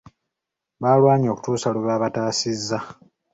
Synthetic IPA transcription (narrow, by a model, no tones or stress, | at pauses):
βaːlwaːɲo̞ːku̥tuːsaluβaːβataːsizːa